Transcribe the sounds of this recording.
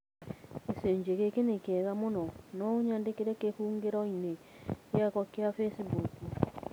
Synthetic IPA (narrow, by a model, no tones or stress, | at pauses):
eseɲd͡ʒeɣekenekɛɣamonɔnɔoɲandekeɾekehuːŋɡeɾɔine | jakɔkeafesibuku